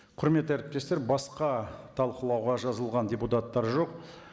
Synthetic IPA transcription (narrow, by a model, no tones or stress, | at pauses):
qʰʊɾme̞t̪ːæɾɪp̚t̪e̞st̪e̞ɾbɑsqɑt̪ʰɑlˠqəlˠɑwʁɑʒɑzəlˠʁɑndʲe̞put̪at̪ːɑɾʒo̞q